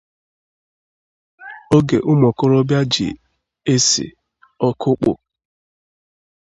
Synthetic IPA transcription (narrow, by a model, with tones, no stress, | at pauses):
o˦ɡe˨ʔʊ˦mɔ˨kʊ˦ɾɔ˦bja˦d͡ʒḭ˨ | e˦sḭ˨ | ɔ˦kʰʊ˦k͡pʊ̰˨